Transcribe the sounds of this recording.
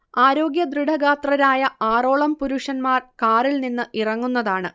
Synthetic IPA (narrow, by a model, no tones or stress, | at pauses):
aːɾo̞ːɡjɐd̪riɽɐɣaːt̪rɐɾaːjɐaːro̞ːɭɐmpuɾuʂɐnmaːrkaːrilninːɨʔirɐŋːunːɐðaːɳɨ